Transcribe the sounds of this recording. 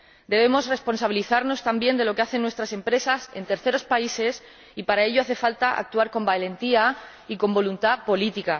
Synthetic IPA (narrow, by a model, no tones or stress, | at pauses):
d̪e̞β̞e̞mo̞sre̞spo̞nsaβiliθaɾno̞st̪ambje̞nd̪e̞loke̞aθe̞nːwe̞st̪ɾase̞mpɾe̞sase̞nt̪e̞ɾθe̞ɾo̞spaise̞s | ipaɾae̞ʎoaθe̞falt̪aʔa̰k̚t̪uaɾko̞mbale̞nt̪ia | iko̞mbo̞lunt̪apo̞lit̪ika